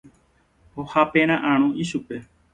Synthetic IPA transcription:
hohapẽɾ̃ãʔãɾ̃õʔiʃupe̞

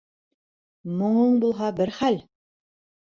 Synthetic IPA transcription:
mŏɴɤɴbulˠɦɑbɘɾχæl

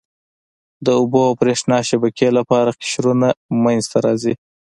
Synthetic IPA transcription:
d̪əʊboawpɾeʂnɑʃabakelapɑɾakɪ̥ʃɾunamanzt̪aɾɑzi

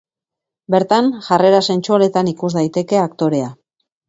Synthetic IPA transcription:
be̞ɾt̪anʝare̞ɾase̞nt͡ʃuale̞t̪anikuzd̪ajt̪e̞ke̞akt̪o̞ɾe̞a

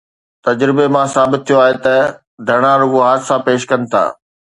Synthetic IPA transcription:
t̪ɐd͡ʑɾɪbemãsaːbɪt̪tʰːijoaːɦet̪ɐ | d̪ʱɐɽ̃aɾʊɡoɦaːd̪sapeːʃkɐnɪ̆t̪ʰa̰ː

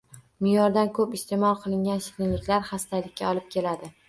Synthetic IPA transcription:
mɪjɒɾd̪ankʰɵpɪst̪ʰe̞mɒlˠqʰɨlˠɪŋɡʲanʃɪ̥t̪ɪnlɪkʲlaɾχast̪ʰajlɪkʲːaɒlˠɪp̚kʲʰe̞lad̪ɪ

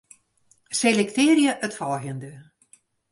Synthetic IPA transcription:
selɛktɪːrjəʔətfɔːɣəndə

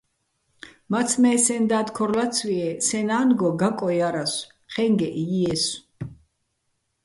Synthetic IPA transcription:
mat̪sʰmɛːsɛnd̪aːd̪kʰɔɾlat̪sʰwiɛsɛnaːnɡɔɡakʼɔjaɾas | χɛŋɡɛʔiɛs

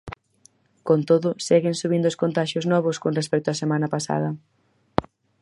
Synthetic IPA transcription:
kont̪oðʊsɛɣɪnsuβind̪ʊskont̪aʃjoznɔβ̞ʊskonres̬pɛk̚t̪oasemãnɐpasa̰ðɐ

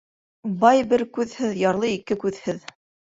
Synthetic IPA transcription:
bɑjbɘɾkʉðhɘðjɑɾlˠɤikɘkʉðhɘð

